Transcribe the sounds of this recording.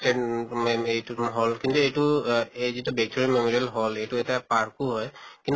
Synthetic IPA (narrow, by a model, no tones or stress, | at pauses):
e | ejtuɦɔlkintuejtuezitubjɛk̚tʰeɹimemɔɹijɛlɦɔlejtuɛtiapaɹkuɦɔjkint